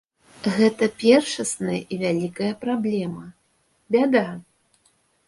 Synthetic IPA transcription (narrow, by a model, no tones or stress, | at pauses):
ɣɛt̪ɐpʲɛrʂɐsnɐjɐ̰ʔivʲalʲikɐjɐpɾablʲɛmɐ | bʲad̪a